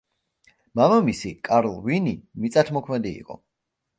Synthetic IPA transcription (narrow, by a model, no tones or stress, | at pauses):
mamamisikʼaɾlˠvinimit̪sʼat̪ʰmɔkʰmɛd̪ḭːqʼɔ̰